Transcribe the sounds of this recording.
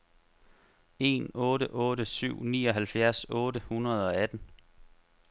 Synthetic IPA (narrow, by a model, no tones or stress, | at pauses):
e̝̰nɔ̽ːɾəʔɔ̽ːɾəsyʊ̰nḭːɒ̽ɦælfjæɐ̰sɔ̽ːɾəhunɐð̞ˠɒ̽æd̥n̩